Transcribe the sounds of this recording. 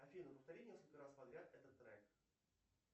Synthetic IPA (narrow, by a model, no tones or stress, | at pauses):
ɐfʲinəpəft̪ɐɾʲinʲeskəlʲkəɾaspɐd̪ɾʲat̪ɛt̪ət̪ːɾɛk